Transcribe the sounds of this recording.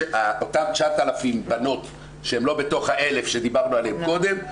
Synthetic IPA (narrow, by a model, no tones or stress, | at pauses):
aot̪amt͡ʃaat̪alafimbano̞t̪ | ʃeemlo̞be̞t̪o̞χhaʔe̞le̞fʃed̪ibaʁnualehemko̞d̪e̞m